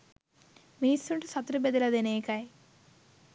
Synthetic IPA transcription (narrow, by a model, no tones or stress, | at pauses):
miːsuɳʈusɐt̪ɾubed̪ɐlɐd̪eneːkaj